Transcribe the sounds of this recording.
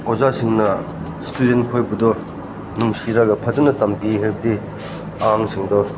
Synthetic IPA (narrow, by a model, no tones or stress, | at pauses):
ozasiŋnɐ | studenkʰojbudɔ | nuŋsiɾaɡɐpʰɐzɐnɐtɐmkiɦeɾb̚di | aaŋsʰiŋdɔ